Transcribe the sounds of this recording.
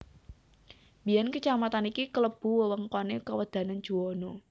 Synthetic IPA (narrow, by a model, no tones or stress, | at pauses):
b̥i̤jɛnkət͡ʃamat̪anikikələb̥ṳwəwəŋkonekəwəd̪̥a̤nan̥ʒ̥uwɔnɔ